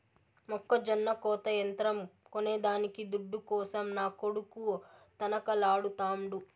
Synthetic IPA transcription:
mɔkːɐd͡ʒɐnːɐkɔːt̪ɐjɐnt̪ɾɐmkoneːd̪aːnikid̪uɖːukɔːsɐmnaːkoɽukut̪ɐnɐkɐlaːɽut̪aːmɽu

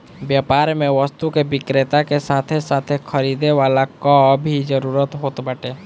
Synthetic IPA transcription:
bjapaːɾmẽʋəst̪ukeʋɪkɾet̪akesaːt̪ʰesaːt̪ʰekʰəɾiːd̪eʋaːlakabʱid͡ʒəɾuːɾət̪ɦoːt̪bəʈeː

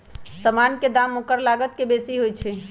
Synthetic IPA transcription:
səmanked̪amːõkəɾlaɡət̪kebesiɦojt͡ʃʰe

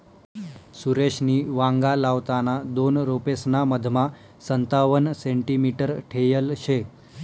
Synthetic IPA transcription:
suɾeɕniːʋaŋɡalaʋt̪anad̪onɾopesnaməd̪ʱma | sənt̪aʋənseɳʈimiʈəɾʈʰejəlɕe

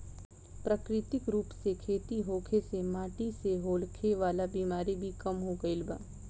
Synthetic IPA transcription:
pɾəkɾɪt̪ɪkɾuːpsekʰeːt̪iɦoːkʰesemaːʈiseɦoːlkʰeʋaːlabiːmaːɾibʱikɐmɦoɡɐɪlba̰ː

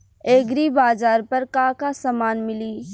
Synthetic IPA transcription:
eːɡɾibaːzaːɾpɐɾkãːkasamaːnmɪliː

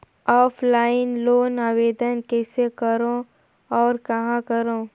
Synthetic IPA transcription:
ɔːpʰlaːɪnloːnaːʋeːd̪ənkɛːsekəɾõ | ɔːɾkɐɦãkəɾõː

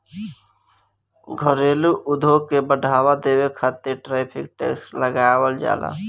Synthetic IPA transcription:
ɡʱəɾeluʔud̪ʱoɡkːebəɖʱabad̪ebekʰət̪ːeʈɾɛpʰik̚ʈḛkskləɡabəld͡ʒa̰la̰

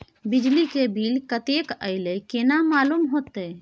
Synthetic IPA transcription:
bid͡ʒlikebʱilkət̪ekəɪlekenamalumɦot̪e

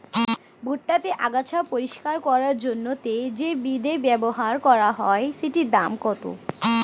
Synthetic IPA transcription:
bʱuʈːat̪eʔaɡat͡ɕʰapoɾiʃkaɾkɔɾaɾd͡ʑonːot̪ed͡ʑebid̪ebɛboɦaɾkɔɾaɦɔeʃeʈid̪amkɔt̪o̰

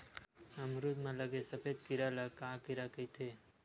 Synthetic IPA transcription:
ɐmɾud̪mãləɡesəpʰeːd̪kiɾalakaːkiɾakət̪ʰeː

